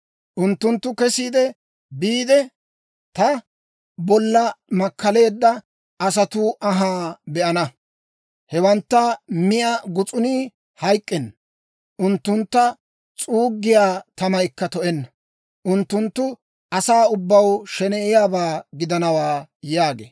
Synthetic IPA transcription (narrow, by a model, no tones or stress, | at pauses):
ʔʊnt̪ːʊnt̪ːʊkɛsiːd̪ɛ | biːd̪ɛ | t̪ɐ | bɔlːɐmɐkːɐle̞ːd̪ːɐ | ʔɐs̬ɐt̪uʔɐɦaːbɛʔɐnɐ | hɛwɐnt̪ːɐmɪʔɐɡʊt͡sʼʊniː | hɐjkʼːɛnːɐ | ʔʊnt̪ːʊnt̪ːɐ | t͡sʼuːɡːɪjaːt̪ɐmɐjkːɐt̪ɔʔɛnːɐ | ʔʊnt̪ːʊnt̪ːʊ | ɐsaːʊbːɐwʃɛneːjaːbaːɡɪd̪ɐnɐwaːjaːɡḛː